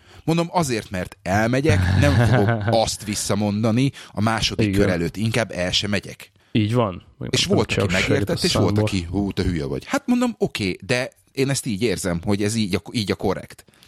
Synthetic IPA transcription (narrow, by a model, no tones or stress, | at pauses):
mond̪o̞mɒzeːrt̪mɛrt̪ɛlmɛɟɛknɛmfud̪oɒst̪ʋisːɒmo̞nd̪ɒniɒmaːʃo̞d̪ikːøɾɛløːt̪ːiŋkaːbːɛlʃɛmɛɟɛ̰k | iːɟvɒn̰ | eːʃʋo̞lt̪ɒkimɛɡeeːrt̪ɛt̪ːeːʃʋo̞lt̪ɒkiɦuːt̪ɒɦyjɛ̰vɒ̰ɟhat̪mo̞nd̪o̞mo̞keːd̪ɛ | eːnɛst̪iːɟeːrzɛmho̞ɟɛziːɟɒiːɟɒko̞ɾɛ̰kt̪